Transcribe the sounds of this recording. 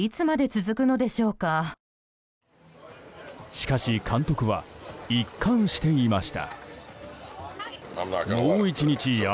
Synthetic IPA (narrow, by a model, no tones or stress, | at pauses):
it͡sɨmad̪e̞t͡sɨzɨkɯ̟no̞d̪e̞ɕo̞ːka | ɕi̥kaɕikʰãnt̪o̞kɯ̟βa̰ikʰːãɰ̃ɕi̥t̪e̞imaɕi̥t̪a̰ | moːit͡ɕiɲit͡ɕi